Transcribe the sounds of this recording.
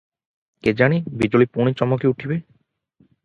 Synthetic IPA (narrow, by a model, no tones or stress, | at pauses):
ked͡ʑanibid͡ʑolipoñit͡ɕɔmokeuʈʰibe